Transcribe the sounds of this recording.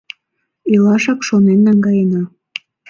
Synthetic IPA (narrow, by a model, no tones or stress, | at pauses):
elɑʃɑkʃonenːɑŋɡɑjenɑ